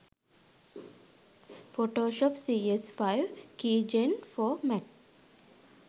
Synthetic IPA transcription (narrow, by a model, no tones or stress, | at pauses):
foːʈoːʃɔːpsiːesfaɪʋkiːd͡ʒẽnfoːmɛʈ